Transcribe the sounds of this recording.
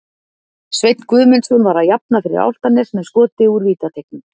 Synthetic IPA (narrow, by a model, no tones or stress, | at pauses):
svejt̪n̥kvʏːðmɛnsɔnvaɾaðjap̚nafɪɾɪ̰ɾa̰wl̥t̪anɪsmɛðskɔːt̪ɪuɾviːt̪at̪ʰejk̚nʏm